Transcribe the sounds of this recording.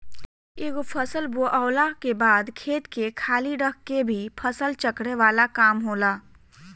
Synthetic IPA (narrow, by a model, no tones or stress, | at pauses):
eːɡopʰəsəlboʔəːlakebaːd̪kʰeːt̪kekʰaːliɖəkʰkebʱipʰəsəlt͡ʃəkɽeʋaːlakaːmɦoːlaː